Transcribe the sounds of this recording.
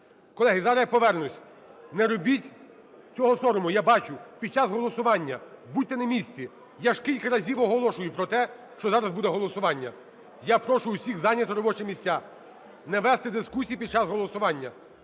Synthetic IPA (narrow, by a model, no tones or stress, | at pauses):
kɔlˠɛɦɪzɑɾɐpɔʋɛrnʊsʲ | nɛɾɔbʲitʲ | t͡sʲɔɦɔsɔɾɔmʊjabɑt͡ʃʊpʲid̪̚t͡ʃazɦɔlˠɔsʊʋɑnʲːɐbutʲt̪ːɛnɐmʲisʲt͡sʲi | jaʒkʲilʲkɐɾɐzʲiʋɔɦɔlˠɔʃʊjʊpɾɔt̪ɛ | ʃt͡ʃɔzɑɾɐzbud̪ɛɦɔlˠɔsʊʋɑnʲːɐ | japɾɔʃʊʊsʲiɣzɑnʲːɐt̪ɔɾɔbɔt͡ʃɛmʲisʲt͡sʲa | nɛʋɛst̪ɛd̪ɪskusʲijipʲid̪̚t͡ʃazɦɔlˠɔsʊʋɑnʲːɐ